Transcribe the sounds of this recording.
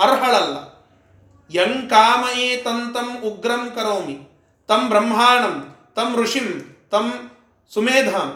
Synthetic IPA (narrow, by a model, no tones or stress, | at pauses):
ɐɾɦɐɭɐlːɐ̰ | jɐŋkaːmɐeːt̪ɐnt̪ɐmuɡɾɐmkɐɾoːmi | t̪ɐmbɾɐmːɦaːɳɐm | t̪ɐmɾuʂimt̪ɐm | sumeːd̪ʱam